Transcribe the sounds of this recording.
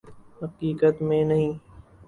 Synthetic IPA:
ɦɐqiːkət̪mẽnɐɦĩː

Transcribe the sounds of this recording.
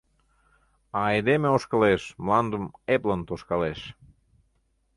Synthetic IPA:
ɑejd̪emeoʃkəleʃmlɑnd̪əmeplənt̪oʃkɑleʃ

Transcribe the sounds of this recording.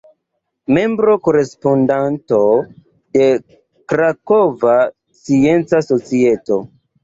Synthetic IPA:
me̞mbɾoko̞ɾe̞spondanto̞ | de̞ | kɾakova | sient͡saso̞t͡sie̞to̞̰

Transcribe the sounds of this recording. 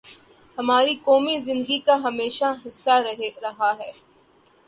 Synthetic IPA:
hɐmaːɾikɔːmizɪ̃nd̪ɡikaɦɐmeːʃaɦɪsːaɾɐɦeɾɐɦaɦɛː

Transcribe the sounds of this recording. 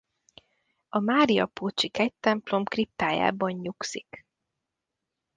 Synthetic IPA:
ɒmaːɾiɒ̰poːt͡ʃikɛct̪ɛmplo̞mkrip̚t̪aːja̰ːbɒɲɲuksik

